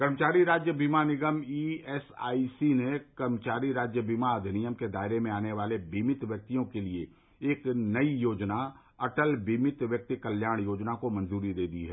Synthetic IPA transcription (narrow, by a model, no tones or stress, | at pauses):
kɐɾmət͡ʃaːɾiɾaːd͡ʒjəbʱiːmanɪɡəmiːɛsa̰ːisinekɐɾmət͡ʃaːɾiɾaːd͡ʒjəbʱiːmaəd̪ʱɪnijəmked̪aːɪɾemẽaːneʋaːlebiːmɪt̪ʋjək̚t̪ijõkelie | eːknɐijoːd͡ʒna | ɐʈəlbiːmɪt̪ʋjək̚t̪ikəljaːɽ̃joːd͡ʒnakomɐ̃nzuːɾid̪eːd̪iɦɛː